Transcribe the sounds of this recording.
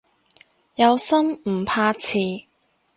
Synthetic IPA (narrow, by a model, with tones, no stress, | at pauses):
jɐ˨˧wsɐ˥m̩˨˩pʰaː˧t͡sʰiː˨˧